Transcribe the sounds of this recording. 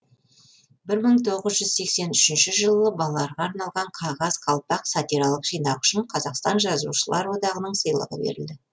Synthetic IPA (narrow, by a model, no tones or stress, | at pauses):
bɪɾməɴt̪ʰo̞ʁəzʒʏz̥se̞kse̞nʏʃɪnʃɪʒəlˠəbɑlˠɑlˠɑɾʁɑːɾnɑlˠʁɑɴqʰɑʁɑzqʰɑlˠpɑqsɑt̪iɾɑlˠəqʒ̥ijnɑwʏ̥ʃɪɴqʰɑzɑqst̪ɑnʒɑzṵʃəlˠɑɾwo̞d̪ɑʁənəɴsəjlˠə̰ʁə̰bḛɾɪld̪ɪ